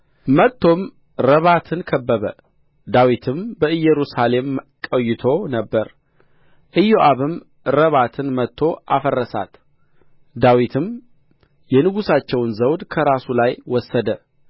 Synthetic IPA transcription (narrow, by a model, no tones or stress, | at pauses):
mət̪ʰːo̞m | ɾəβat̪ʰɨnkʰəbːəβə | d̪awit̪ʰɨmbəɨjɛɾusale̞mkʼəjːɪt̪ʰo̞nəbːəɾ | ʔɨjoʔaβɨm | ɾəβat̪ʰɨnmət̪ʰːo̞ʔa̰fərːəsa̰t̪ | d̪awit̪ʰɨm | jɛnɨɡusat͡ʃːɛwnzəwd̪kʰəɾasulajwɔsːəd̪ə